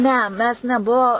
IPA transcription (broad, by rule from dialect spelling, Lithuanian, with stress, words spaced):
ˈnʲɛ ˈmʲɛs nʲɛˈbuɔ